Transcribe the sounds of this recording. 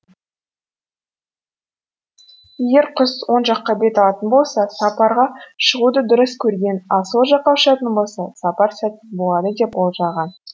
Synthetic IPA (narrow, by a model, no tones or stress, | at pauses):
eɡʲe̞ɾqʰʊswo̞nʒɑqːɑbe̞t̪ɑlˠɑt̪ənbo̞lˠsɑsɑpɑɾʁɑʃəʁud̪əd̪ʊɾəskʲʰɵɾɡʲe̞nɑsolˠʒɑqːɑwʃɑt̪ənbo̞lˠsɑsɑpɑɾsæt̪əbo̞lˠɑd̪əd̪e̞polˠʒɑʁɑn